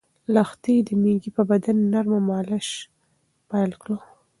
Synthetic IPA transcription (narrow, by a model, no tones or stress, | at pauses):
laxt̪id̪əmeɡipəbad̪anːaɾmamɑlɪʃ | pajlkɽo